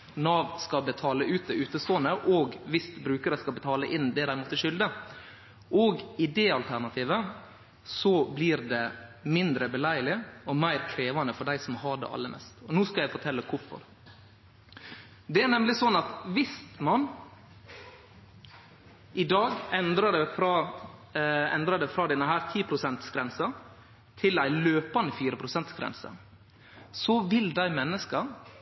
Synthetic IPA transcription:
nɑːʋ̪skɑbət̪ʰɑːləʔʉːt̪̚d̪ɛʉːt̪əst̪oːnəʔoːɡʋɪst̪bɾʉːkəɾəskɑbət̪ʰɑːləʔɪnd̪ɛd̪æɪmuːt̪əʂʏld̪ə | ʔoːɡɪd̪ɛɑlt̪ʰæɳɑt̪ʰiːʋə | sɔbliːɾd̪ɛmɪnd̪ɾəbɛlæɪlɪɔmæɪɾkʰɾeːʋɑnəfɔɖæɪsɔmhɑɖɛ̰ʔɑ̰lːəmʔɛ̰st̪ɔnuːskɑljæɪfɔʈʰɛlːəkʰʊɾfɔ̰ɾ | d̪ɛæɾnɛmlɪsɔnɑt̪ʋɪst̪mɑn | ʔɪd̪ɑːɡɛnd̪ɾɑɖɛfɾɑ | ɛnd̪ɾɑɖɛfɾɑːd̪ɛnːəɦæːɾt̪ʰiːpʰɾʊsɛnt̪sɡɾɛnsɑ | t̪ʰɪlæɪløːpɑnəfiːɾəpʰɾʊsɛnt̪sɡɾɛ̰nsə̰ | sɔʋɪld̪æɪmɛnːəskə

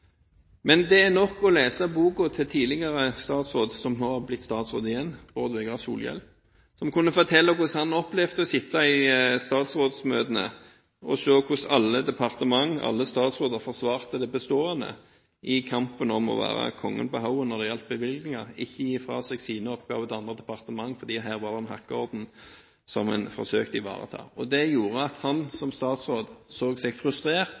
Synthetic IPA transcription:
mɛnd̪ɛænɔkːɔleːsɑbuːkʊt̪ʰɪlt̪ʰiːlɪɡɑɾəst̪ɑːt̪sʁoːd̪sɔmnoːhɑblɪt̪ːst̪ɑːt̪sʁo̰ːd̪ɪjɛnːʁoːd̪ʋɛɡəʁɑsṵːljɛ̰l | sɔmkʰʊnːəfɔʁt̪ʰɛlːɑkʊshɑnɔplɛfd̪əɔsɪt̪ːɑɪst̪ɑːt̪sʁoːd̪smøːd̪ənə̰ | ɔʃøːkʰʊsɑlːəd̪ɛpʰɑʁt̪əmɑŋːɑ̰lːəst̪ɑːt̪sʁoːd̪əɾfɔʁsʋɑːʁt̪əd̪ɛbəst̪oːɑnə̰ | ʔɪkʰɑmpənɔmɔ̰ʋæ̰ːʁɑ̰kʰɔŋːə̰nbəɦaʊənɔʁd̪ɛjɛlp̚bəʋɪlɡnɪŋɑʁɪçːəjiːfɾɑ̰ːsɛɡsiːnəɔpɡ̥ɑ̰ːʋət̪ɑnd̪ʁəd̪ɛpɑʁt̪əmɑŋːfɔɾd̪iːɦæːʁʋɑʁd̪ɛɛnhɑkːəɔɾd̪n̩ | sɔmɛ̰nfɔ̰ɾsøːkt̪əɪʋɑ̰ːʁə̰t̪ʰɑ̰ːɔd̪ɛjuːɾəɑt̪hɑnsɔmst̪ɑːt̪sʁoːd̪soːɡsɛɡfɾʉst̪ɾeːʁt̪

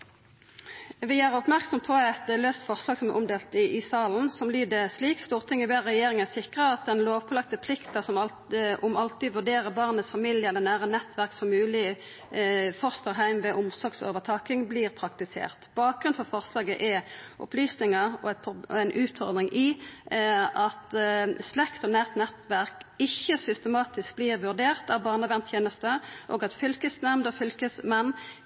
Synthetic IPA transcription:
ʋɪæʁɔpmæʁksɔmpʰɔɛt̪løːst̪fɔʁslɑːɡsɔmæʔʊmd̪eːlt̪ɪʔɪsɑːln̩sɔmlyːd̪əsliːkst̪uːʁt̪ʰɪŋːəbeːʁɛjeːɾɪŋæsɪkʁəɑt̪̚d̪ɛnloːʋpʰɔlɑk̚t̪əpʰlɪkt̪əsɔmɑ | ɔmɑlt̪ɪʋʉʁɖ̪eːʁəbɑʁnət̪sfɑmɪljəɛlːəʁnæːʁənɛt̪ʰʋæʁksɔmʉːlɪ | fɔʁst̪əɾɦæɪmʋɛʔʊmsɔɡso̰ːʋəʁt̪ʰɑːkɪŋbliːʁpʰʁɑkt̪ɪsḛːʁt̪b̥ɑːk̚ɡʁʉnfɔʁfɔʁslɑːɡəʔɛʔʊ̰plyːsnɪŋəɔ̰ɛt̪pʰɛnʔʉːt̪fɔʁd̪ʁɪŋʔɪ | ʔɑt̪slɛkt̪ɔnæːʁt̪nɛt̪ʋæʁkɪçːəsʏst̪əmɑːt̪ɪsk̚bliːʁʋʉʁd̪eːʁt̪æbɑːʁnəʋɛnt̪ʰjeːnəst̪əʔo̰ːɡɑt̪fʏlkəsnæmd̪ɔfʏlkəsmɛnː

